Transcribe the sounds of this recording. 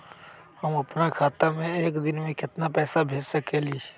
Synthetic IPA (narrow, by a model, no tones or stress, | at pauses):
hɐmɐpnakʰaːt̪amẽeːkd̪ɪnmẽkɪt̪napɛːsabʱeːd͡ʒsɐkeliː